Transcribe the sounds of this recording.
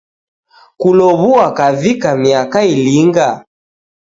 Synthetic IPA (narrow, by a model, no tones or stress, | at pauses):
kulɔβuakavikamiakailiŋɡa